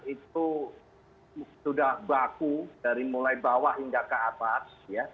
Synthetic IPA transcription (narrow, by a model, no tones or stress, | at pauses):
it̪̚u | sudahbakud̥aɾimulajbawaʔɦiŋɡakəat̪asja